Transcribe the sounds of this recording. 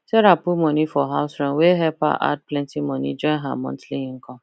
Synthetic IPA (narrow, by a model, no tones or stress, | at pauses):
seɾapumɔ̃nifɔɦaʊsɾãnweɦɛpa̰ʔa̰d̚plɛ̃ntimɔ̃nḭd͡ʒɔ̃ɪ̃ɦa̰mɔ̰̃ntliŋ̩kɔ̃